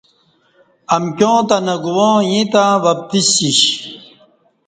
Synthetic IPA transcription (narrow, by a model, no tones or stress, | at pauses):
ɐmkʲjõːt̪ɐnɐɡuwõːjĩt̪awɐp̚t̪iɕiɕ